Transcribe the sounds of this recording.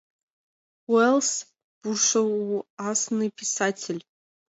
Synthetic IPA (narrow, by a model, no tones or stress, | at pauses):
wels | b̥urʂɐwasnɨpʰisatʲʰelʲ